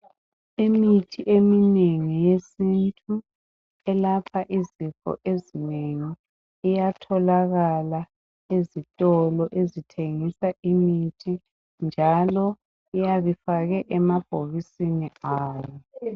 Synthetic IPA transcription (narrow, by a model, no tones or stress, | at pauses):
imitʰiʔemineŋijesintʰʼu | ɛlapʰaʔizifɔ̰ʔezineŋiː | jatʰɔlaɣala | ezitʼɔlɔʔezitʰeŋisaʔimitʰi | nd͡ʒʱalɔ | ijaβifaɣɛʔɛmab̥ʱoɣisiniaːjɔ